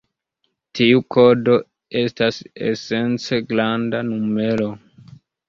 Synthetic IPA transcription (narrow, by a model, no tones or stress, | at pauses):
tʰiukʰo̞do̞ | e̞stasḛse̞nt͡se̞ɡlandanume̞lo̞